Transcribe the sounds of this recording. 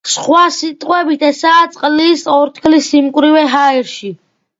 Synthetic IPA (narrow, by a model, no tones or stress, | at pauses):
sχwasit̪ʼqʼwɛbit̪ʰɛsaːt̪sʼqʼlisɔɾt̪ʰkʰlisimkʼɾivɛɦaiɾʃi